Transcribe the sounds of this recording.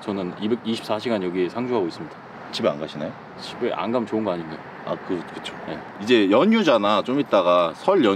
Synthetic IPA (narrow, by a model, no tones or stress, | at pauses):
t͡ɕʌnɯnibeɡiɕʰi̥ps͈aɕʰiɡanjʌɡiesʰaŋd͡ʑʰuɦaɡois͈ɯmɲid̥ḁ | t͡ɕʰibea̰nɡaɕʰina̰jo | t͡ɕʰibeʔa̰nɡamɯnt͡ɕoɯnɡʌaɲinɡajo | a̰kɯkɯ̥t͡ɕʰo̥je̞̰ | id͡ʑe̞jʌɲud͡ʑanat͡ɕomit̚t͈aɡasʰʌɭjʌ